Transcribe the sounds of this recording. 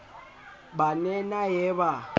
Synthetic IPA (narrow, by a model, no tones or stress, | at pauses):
banɛnajɛba